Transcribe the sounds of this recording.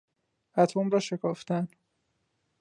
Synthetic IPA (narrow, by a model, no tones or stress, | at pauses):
æt̪ʰoːmɾɒːʃe̞kʰɒːft̪æn